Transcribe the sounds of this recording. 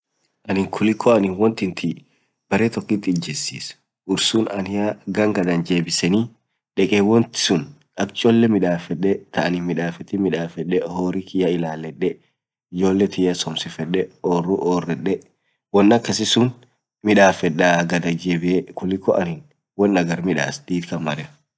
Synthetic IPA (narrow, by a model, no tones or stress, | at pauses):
ʔɐnɪŋkʰʊlɪkʰːɔɐnɪnwɔnt̪ɪnt̪ʰɪ | b̥ɐɾeːt̪ɔkːɪt̪ːɪɪd͡ʒɛsːiːs | ʔʊɾsuːnɐnɪjaɡɐŋɡɐd̪ɐnd͡ʒe̞ːbɪsɛniː | ᶑɛkʼewɔnt̪ɪ̥sʊn | ɐkt͡ʃʼɔlːɛmɪᶑaːfɛᶑɛt̪ʰɐʔɐnɪmɪᶑaːfɛt̪ɪmɪᶑaːfɛᶑɛhoːɾikɪjɐɪlaːlːɛᶑːɛ | ɪd͡ʒo̞ːlːɛt̪ʰɪjɐsɔmsɪfɛᶑɛɔːruʔoːrːɛᶑɛ | wɔnːɐkːɐsɪsʊn | mɪᶑaːfɛᶑaɡɐd̪ɐd͡ʒeːbɪɛkʊlːɪkɔʔɐnɪn | wɔnːɐɡɐɾmɪᶑa̰ːsd̪̥iːt̪kɐnmɐɾɛ